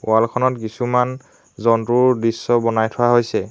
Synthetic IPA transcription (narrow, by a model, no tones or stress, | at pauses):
w̰alkʰɔnɔtkisuman | zɔntuɹdisːɔbɔnajtʰɔwaɦojsɛ